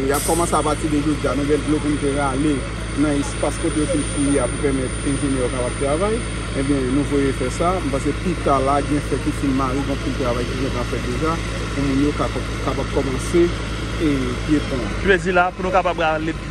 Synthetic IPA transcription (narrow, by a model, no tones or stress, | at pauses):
jab̚kɔmɑ̃seapat͡sideʒod͡zianũvɛ̃lɡlopunũt̪eɣale | nɐ̃espaskot̪ejofinpijiapupɛʁmɛt̪ɛ̃ʒenɛjokapab̚t̪ʁavaj | ẽbjɛ̃nũvojefɛsam̩pãs̬epit̪alaɡɛ̃fɛt̪̚kifinmaɣiɡɔ̃pĩlt̪ʁavajkiʒãkafɛt̪̚d̪eʒa | pumũnjoka | kapab̚kɔmɑ̃se | e | epɔ̃ | ʒezilapunũkapabale